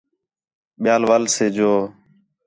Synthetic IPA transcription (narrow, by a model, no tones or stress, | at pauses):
ɓɪjaːlʋaːlseːd͡ʒoː